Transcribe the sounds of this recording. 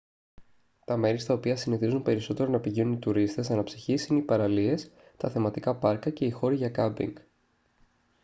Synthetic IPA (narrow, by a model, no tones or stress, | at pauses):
t̪ɐme̞ɾist̪ɐo̞piɐsiniθizunpe̞ɾiso̞t̪e̞ɾo̞nɐpiʝinunit̪uɾist̪e̞sɐnɐpsiçisineipɐɾɐlie̞s | t̪ɐθe̞mɐt̪ikɐpɐɾkɐce̞ixo̞ɾiʝɐkɐbḭŋɡ